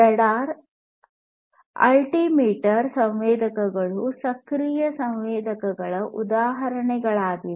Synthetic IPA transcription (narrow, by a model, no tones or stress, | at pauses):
ɐɽaːɾ | ɐ̰lʈiːmeːʈɐɾsɐ̃ʋʋɛːd̪ʱɐkɐɡɐɭusɐkɾijɐsɐwʋɛːd̪ʱɐkɐɡɐɭɐʔud̪aːɦɐɾɐɳɛɡɐɭaːɡi